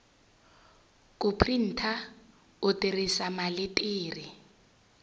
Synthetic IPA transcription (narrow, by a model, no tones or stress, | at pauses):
kʼʊpʰrin̩ːtʰa | ʊtʼirisamalɪtʼɪːri